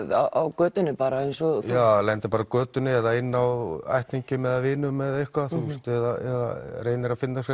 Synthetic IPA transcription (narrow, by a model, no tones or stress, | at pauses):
ða̰ʔawkœːt̪ʏnːɪpaːɾaejnsɔjaalɛnt̪ɪpaːɾakœːt̪ʏnɪɛðaɪnːawa̰jht̪niɲcʏmɛðavɪːnʏmːɛðehkvaθɛmst̪ɛðaɛða̰reːjnɪɾafɪnːasɛ